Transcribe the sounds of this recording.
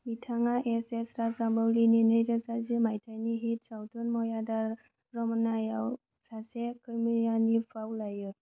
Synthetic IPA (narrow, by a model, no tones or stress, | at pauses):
mitʰaŋaʔesesɾasabɔwlininɯjɾasazɯmajtʰajniɦit̚sawtʰɔnmɔjadaɾ | ɾɔmɔnajaw | sasekɯmijanipʰawlajɯ